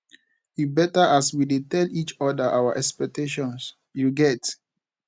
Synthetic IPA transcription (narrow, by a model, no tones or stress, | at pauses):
ibɛtaʔaswidetɛlit͡ʃɔdaʔawaʔɛkspɛk̚teʃɔ̃ns | juɡɛt